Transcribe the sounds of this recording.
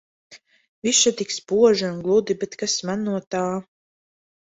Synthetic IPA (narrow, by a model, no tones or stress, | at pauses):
viʃat̪ikspuɔʒaunɡlˠud̪ibɛt̪kasmanːuɔt̪aː